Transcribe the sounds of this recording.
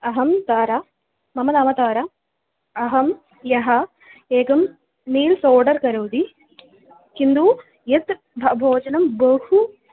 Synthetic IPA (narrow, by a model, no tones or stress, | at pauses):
ɐɦɐmt̪aːɾa | mɐmɐnaːmɐt̪aːɾa | ɐɦɐm | jɐɦɐ | eːkɐm | niːlsoːɖɐɾkɐɾɐwd̪i | kind̪u | jet̪ | bʱɐbʱoːd͡ʒɐnɐmbɐhu